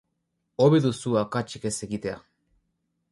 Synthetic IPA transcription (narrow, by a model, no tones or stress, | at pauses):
oβeðusuakat͡ʃikeseɣit̪ea̰